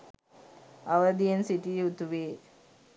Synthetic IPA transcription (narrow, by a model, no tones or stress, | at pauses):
ɐʋəd̪ijensiʈiut̪uʋeː